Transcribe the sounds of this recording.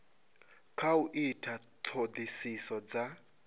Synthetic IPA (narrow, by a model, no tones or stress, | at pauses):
kʰauʔitʰatʰod̪isisɔd͡za